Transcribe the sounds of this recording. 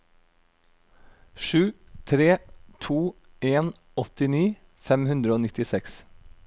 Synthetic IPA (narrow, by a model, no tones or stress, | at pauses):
ʃʉːt̪ʰɾeːt̪ʰuː | ʔeːn | ɔt̪ɪniː | fɛmhʉnd̪ɾəoːnɪt̪ɪsɛks